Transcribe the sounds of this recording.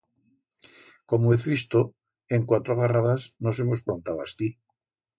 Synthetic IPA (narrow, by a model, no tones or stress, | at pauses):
komoeθβist̪o | eŋkwat̪ɾoɣaraðasnosemospɾont̪aðwa̰st̪i